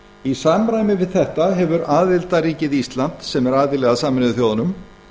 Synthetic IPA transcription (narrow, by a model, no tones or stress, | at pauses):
isaːmɾaːjmɪvɪðθɛht̪aɦɛvʏɾaːðɪlt̪aɾiːcɪðist̪lant̪sɛmɛɾaːðɪlɛːɣasaːmɪnɪðʏθjoːwðanʏm